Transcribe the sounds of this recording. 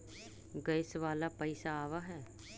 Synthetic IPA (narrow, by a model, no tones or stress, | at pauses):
ɡəɪsʋaːlapəɪsaːʋaɦɛː